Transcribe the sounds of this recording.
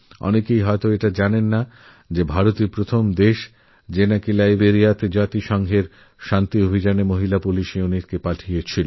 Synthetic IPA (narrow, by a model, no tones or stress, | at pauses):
ɔ̰nekejɦɔet̪oeʈad͡ʑanenːa | d͡ʑebʱaɾot̪iɾpɾot̪ʰomd̪eʃ | d͡ʑenakilajbeɾijat̪ed͡ʑat̪iʃɔŋɡʱeɾ | ʃant̪iobʱid͡ʑanemoɦilapuliʃiuniʈkepaʈʰijet͡ɕʰilo